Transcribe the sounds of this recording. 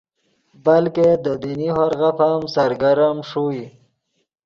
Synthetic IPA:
balked̪əd̪iniɦoɾɣafamsaɾɡaɾamʂui

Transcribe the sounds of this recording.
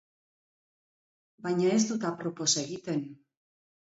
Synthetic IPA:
bajɲaezdt̪ut̪apɾopo̞saeɣit̪e̞n

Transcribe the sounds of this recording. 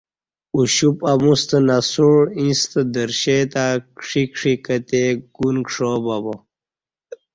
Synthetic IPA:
uɕupamust̪ənasuɻĩst̪əd̪əɾɕet̪aːkʂikʂikət̪eɡ̥unkʂoːbabo

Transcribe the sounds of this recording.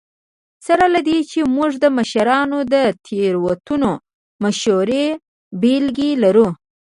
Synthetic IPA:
saɾalad̪et͡ʃemuʐd̪əmaʃaɾɑnod̪ət̪ʰeɾwat̪uno | maʃoɾe | belɡelaɾu

